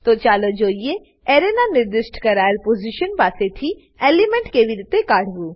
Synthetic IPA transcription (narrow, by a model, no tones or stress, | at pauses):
t̪oːt͡ʃaːlod͡ʒoːie | eːɾenanɪɾd̪ɪsʈkɐɾaːɪɾpoːziʃənpaːset̪ʰi | eːlimẽɳʈkeːʋiɾɪt̪ekaːɽ̤ɡuː